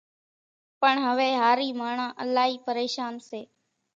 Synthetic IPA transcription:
pəɳɦəʋeːɦaːɾiːmaːɳãːʔəlaːɦiːpəɾeːʃaːnseː

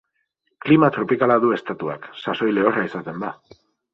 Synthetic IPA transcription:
klimat̪ɾo̞pikalaðue̞st̪at̪ua̰ksaso̞jle̞oraisat̪e̞nd̪a

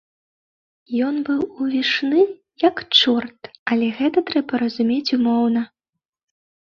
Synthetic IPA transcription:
jɔnbɨwuvʲiʂnɨ | jɐkt͡ʂɔrt̪ɐlʲɛɣɛt̪ɐt̪ɾɛbɐɾɐzumʲet͡sʲumɔwnɐ

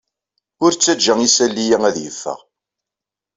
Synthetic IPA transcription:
ʊɾt͡sːæd͡ʒːæŋisælːijæŋæðjəfːə̰ʁ

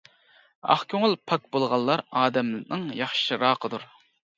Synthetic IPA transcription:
ɑ̰χkʲʰøŋɨlˠpʰɑk̚bolˠʁɑlˠːɑɾɑːd̪ɛmlɪnɨŋjɑχʃʃiɾɑːqʰəd̪uɾ

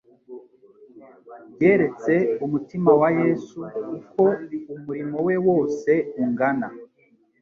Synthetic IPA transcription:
bje̞ɾe̞t͡se̞umutimawaje̞sukuko̞umuɾimo̞we̞wo̞ːse̞uŋɡana

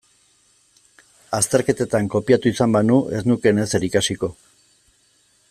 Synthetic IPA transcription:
ast̪e̞ɾke̞t̪et̪aŋko̞piat̪uisambanuʔe̞znuke̞ne̞se̞ɾikasiko̞

